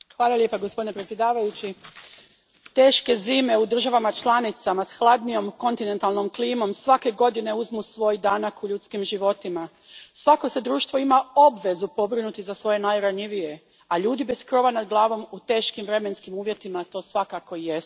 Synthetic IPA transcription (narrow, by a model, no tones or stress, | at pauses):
xʋaːlˠalje̞paɡospo̞d̪inepɾesʲje̞d̪aːʋajut͡ɕi | t̪e̞ːʃke̞ziːme̞ud̪r̩ʒaʋamat͡ʃlˠanit̪samasxlˠad̪nijo̞mko̞nt̪ine̞nt̪alˠno̞mkliːmo̞msʋake̞ɡo̞d̪ine̞uzmusʋo̞jd̪aːnakuʎut̪skimʒiʋo̞t̪ima | sʋako̞se̞d̪ɾuːʃt̪vʋo̞imao̞bʋe̞zupo̞bɾinut̪izasʋo̞je̞najɾaɲiʋije̞ | aʎuːd̪ibe̞skɾo̞ʋanad̪ɡlˠaːʋo̞mut̪e̞ːʃkimʋɾe̞me̞nskimuːʋje̞t̪imat̪o̞ːsʋakako̞ijes